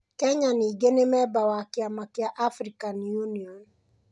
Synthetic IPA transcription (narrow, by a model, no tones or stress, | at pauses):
kɛɲaniːɡenemɛbawakɪamakɪaʔafɾikanjuniɔn